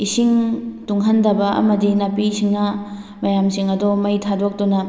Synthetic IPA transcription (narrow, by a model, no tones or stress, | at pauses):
isiŋtuŋɦɐndɐbɐʔɐ̰mɐdinapisiŋnɐ | mɐjamsiŋɐdomɐjtʰadok̚dunɐ